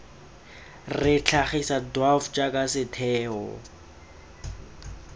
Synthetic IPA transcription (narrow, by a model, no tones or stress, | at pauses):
rɪt͡ɬʰaχisadwaft͡ʃʼakʼasɪtʰɛːɔ̰